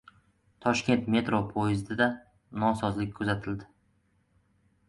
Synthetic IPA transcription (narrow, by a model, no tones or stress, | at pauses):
t̪ʰɒʃkʲe̞nt̪me̞t̪ɾopʰojɪzd̪ɪd̪a | nɒsɒzlɪk̚ʲkʰɵzat̪ʰɪld̪ɪ